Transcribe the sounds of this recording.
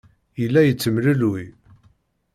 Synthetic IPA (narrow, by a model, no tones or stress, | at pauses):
əlːæjət͡sːəmlului